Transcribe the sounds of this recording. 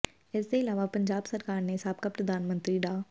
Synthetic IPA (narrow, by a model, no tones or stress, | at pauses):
ɪsːeɪlaːʋapɐ̃ɲd͡ʒaːbsɐɾkaːɾneɪsaːb̚kapɾɐd̪ʱaːnmə̃nt̪ɾiɖaː